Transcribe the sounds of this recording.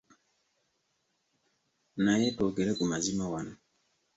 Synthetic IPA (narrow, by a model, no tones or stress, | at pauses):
najetoɡeɾeʔumazimawan